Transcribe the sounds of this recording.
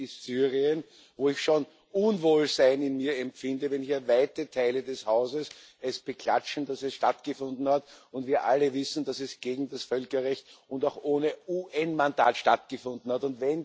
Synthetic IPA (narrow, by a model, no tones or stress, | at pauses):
ɪstsyːʁiən | voːɪçʃoːn | ʔʊnvoːlzaɪnɪnmiːɐɛmfɪndəvɛnçiːɐvaɪtətʰaɪlədɛshaʊzəs | ɛsb̥əkʰl̥a̰t͡ʃn̩d̥asɛsʃtatɡ̥əfʊ̃ndn̩hatʊntviːɐʔaləvɪsn̩d̥asɛsɡ̥eːɡŋ̩dasfœlkɐʁɛçtʊndaʊxʔoːnəuːʔɛnmanda̰ːtʃtatɡ̥əfʊ̃ndn̩hatʊntvɛn